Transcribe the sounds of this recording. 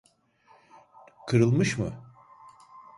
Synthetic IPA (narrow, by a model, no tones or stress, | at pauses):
kʰɯɾɯlˠmɯʃmɯ